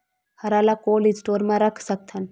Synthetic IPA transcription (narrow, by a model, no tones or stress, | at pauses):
hɐɾaːlakoːlisʈoːɾmãɾəkʰsək̚t̪ʰən